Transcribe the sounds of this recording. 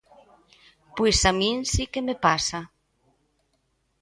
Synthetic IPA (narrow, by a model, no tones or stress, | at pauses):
pwesamĩnsikemepasa